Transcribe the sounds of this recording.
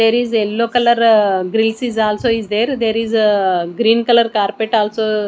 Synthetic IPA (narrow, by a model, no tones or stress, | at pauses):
d̪eːɾizelːoːkɐlɐɾɡɾilsizaːlsoːizd̪eːɾd̪eːɾiːzɡɾiːnkɐlɐɾkaːɾpeʈaːlsoː